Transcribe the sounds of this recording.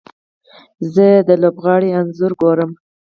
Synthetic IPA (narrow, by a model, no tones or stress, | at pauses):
zəd̪əlobɣɑɽianzʊɾɡoɾəm